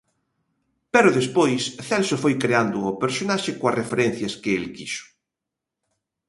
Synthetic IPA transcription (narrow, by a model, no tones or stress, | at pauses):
pɛɾʊðespojsθɛlsofojkɾeand̪ʊopeɾsonaʃɪkoarefeɾɛnθjaskɪelkisʊ̥